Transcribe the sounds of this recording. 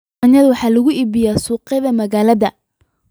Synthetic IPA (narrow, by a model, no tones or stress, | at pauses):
njɐðʊwɑħɑːlɐɣʊʔiːbɪjaːsuːqɛðɐmɐɣaːlɐðɐ